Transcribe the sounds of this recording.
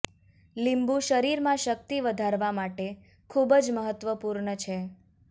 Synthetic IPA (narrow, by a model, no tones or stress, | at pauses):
limbũʃəɾiɾmãʃək̚t̪iʋəd̪ʱaɾʋamaʈe | kʰubəd͡ʒməɦət̪ʋəpuɾɳət͡ʃʰe